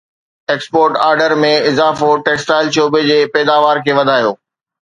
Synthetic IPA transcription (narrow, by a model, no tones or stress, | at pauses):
eːkspoːɾʈaːɾɖəɾmẽɪzaːfoʈeːksʈaːɪlʃoːbed͡ʑeːpɛːd̪aːʋaːɾkʰeːʋɐd̪ʱaːjoː